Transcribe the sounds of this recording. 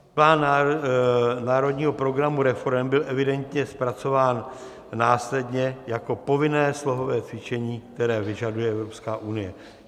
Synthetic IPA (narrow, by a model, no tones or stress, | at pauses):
plaːn | naːɾo̞dɲiːɦo̞pɾo̞ɡɾamuɾɛfo̞ɾɛmbɪlʔɛvɪdɛnt̪ɲɛspɾat͡so̞vaːnː | aːslɛdɲɛjako̞po̞vɪnɛːslo̞ɦo̞vɛːt͡svɪt͡ʃɛɲiːk̚t̪ɛɾɛːvɪʒadujɛɛvɾo̞pskaːʔunɪjɛ